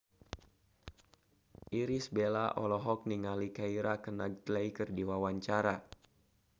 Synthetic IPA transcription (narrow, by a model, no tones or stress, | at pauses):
ʔiɾisbelaʔɔlɔɦɔk̚niŋalikaiɾakənaɡ̚t̪lejkərdiwawaɲt͡ʃaɾa